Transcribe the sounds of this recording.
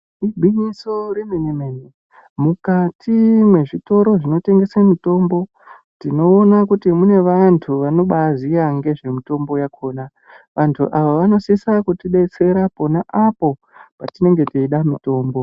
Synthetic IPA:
ibʱiɲisoɾinenemeɲe | mukatʰimwe̞ʐito̞ɾo̞ʐino̞te̞ŋɡe̞semito̞ːmbo̞ | tino̞ːnakutimune̞ʋantʰuʋano̞ɓaziaŋɡe̞ʐe̞mito̞mbo̞jakʰo̞ːna | ʋantʰṵʔaʋaʋano̞sisakutiɗe̞t͡se̞ɾapo̞naʔapo̞ | patine̞ŋɡe̞tiiɗamito̞ːmbo̞

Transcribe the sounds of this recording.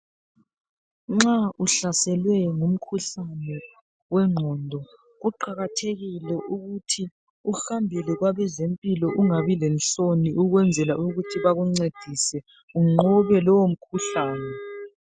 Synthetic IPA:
ŋ͡ǁaʔuɬasɛlwɛŋum̩kʰuɬanɛ | wɛŋ͡ǃʱɔndʱɔ | ɣuǃaɣatʰeɣilɛʔuɣutʰi | uxambʱilɛɣwaβɛzempʼilɔʔuŋaβilɛnt͡ɬoniʔuɣwɛnd͡zʱɛlauɣutʰiβaɣuŋ͡ǀed̥ʱisɛ | uŋ͡ǃɔβɛlɔwom̩kʰuɬaːnɛ

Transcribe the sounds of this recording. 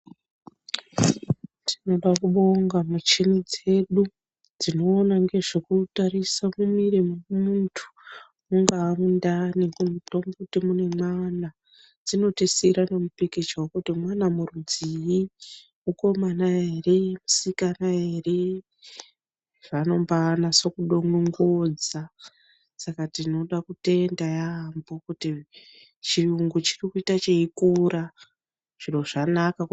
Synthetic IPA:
tino̞ɗakuɓo̞ŋɡamut͡ʃenid͡ze̞ɗu | d͡zino̞ːnaŋɡe̞ʐekutarisamumiremomuntʰu̥ | muŋɡaːmundaniŋɡumuto̞mbokutimune̞mwana | d͡zino̞tesiɾano̞mupeket͡ʃaokutimwanamurud͡ziji | uko̞manaeremusikanaere | ʐano̞mbanaso̞kuɗoŋuŋɡod͡za | sakatino̞ɗakute̞ndajambo̞kuti | t͡ʃiuŋɡut͡ʃirikuitat͡ʃeikura | ʐ̥ino̞ʐanaka

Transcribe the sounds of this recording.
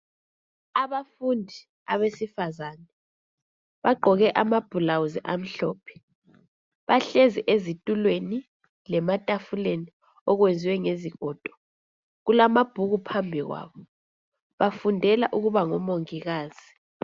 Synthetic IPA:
aβafundʱi | aβesifazaːnɛ | βaɡ͡ǃʱɔɣɛʔamab̥ʱulawuziʔam̩ɬɔːpʰɛ̥ | βaɬeziʔezitʼulweni | lɛmatʼafuleni | ɔɣwend͡zʱiwɛŋeziɣʱɔd̥ʱɔ̥ | ɣulamab̥ʱuɣupʰambʱiɣwa̰ːβɔ | βafundʱɛla̰ʔuɣuβaŋɔmoŋiɣaːz̥i

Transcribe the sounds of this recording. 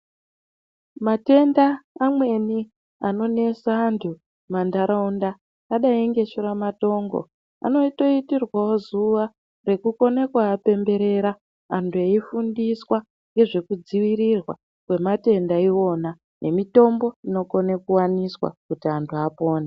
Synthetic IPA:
mate̞ndaːmwe̞ni | ano̞ne̞saːntʰu | mandaɾaundaː | ɗaiŋɡe̞ʃuɾamato̞ːŋɡo̞̰ | a̰no̞ito̞itirwawo̞zuʋa | re̞kuko̞nekwaːpe̞mbe̞ɾe̞ɾa | antʰueifundiswa | ŋɡe̞ʐe̞kud͡ziʋiɾirwa | kwe̞mate̞ndaiwo̞na | nʔe̞mito̞mbo̞ino̞ko̞nekuwaniswa̰kutiantʰuapo̞ːna

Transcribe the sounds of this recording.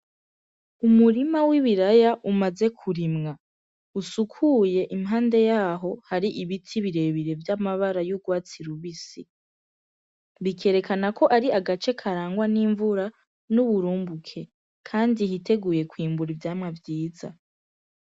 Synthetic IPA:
umuɾimawiβiɾajaʔumaze̞kʰuɾimŋa | usukʰuje̞ʔimɦaːnde̞jaːɦo̞haɾiʔiβitʰiβiɾe̞βiɾe̞vjamaβaɾajuɡwaːt͡siɾuβisi | βikʰe̞ːɾe̞kanako̞ʔaɾiaɡat͡ʃe̞kʰaɾaːŋɡwaniːɱvuɾa | nuβuɾuːmbukʰe̞ | kʰaːndihite̞ɡuje̞kwiːmbuɾivjaːmŋavjiːza̰

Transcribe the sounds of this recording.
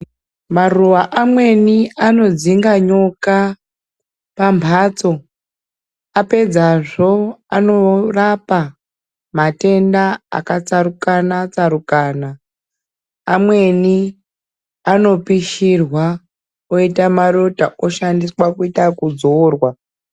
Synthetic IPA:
maruʋaʔamwe̞niano̞d͡ziŋɡaɲo̞ka | pambʱaːt͡so̞ | ape̞d͡zaʐo̞ano̞rapa | mate̞ndaa̰kat͡saɾukanat͡saɾukaːna | mwe̞ni | ano̞piʃirwa | oitamaɾotaʔoʃandiswakuitakud͡zoːrwa

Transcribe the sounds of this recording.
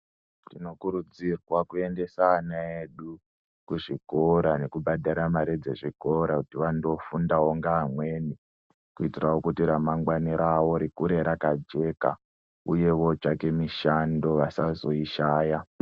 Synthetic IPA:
tino̞kuɾud͡zirwakue̞nde̞saːnaeɗu | kuʐiko̞ɾane̞kubʱadʱaɾamaɾid͡ze̞ʐiko̞ɾakutiʋando̞fundaoŋɡaːmwe̞ni | kuitirawokutiɾamaŋɡwaniɾawo̞ɾikuɾe̞ɾakad͡ʒe̞ːka̰ | uje̞ʋo̞d͡ʒake̞miʃando̞ʋasazo̞iʃaːja

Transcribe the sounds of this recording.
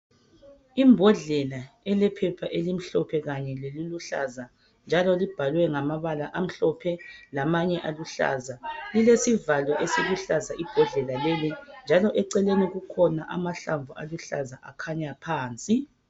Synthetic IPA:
imbʱɔɮɛlaɛlɛpʰɛpʰaʔelim̩ɬɔpʰɛɣaɲɛleliluɬa̰za | nd͡ʒʱalɔlib̥ʱalwɛŋamaβalaʔam̩ɬɔpʰɛlamaɲɛʔaluɬa̰ːzalilesivalwaʔesiɣuɬazaʔib̥ʱɔɮɛlalelind͡ʒʱalɔʔɛǀɛleniɣukʰɔnaʔamaɬaɱvʱualuɬa̰zaʔakʰaɲapʰaːnt͡sʼi

